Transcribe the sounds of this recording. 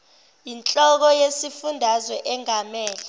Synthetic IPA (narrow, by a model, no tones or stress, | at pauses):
jint͡ɬʼɔk̬ɔjesifundʱazwɛʔɛŋʱamɛːlɛ